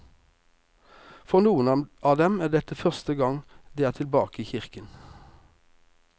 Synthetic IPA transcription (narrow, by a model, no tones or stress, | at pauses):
fɔʁnuːənɑʔɑːd̪ɛmæːd̪ɛt̪əfœʁst̪əɡɑŋd̪eːæːt̪ʰɪlbɑːkəiːçɪʁkən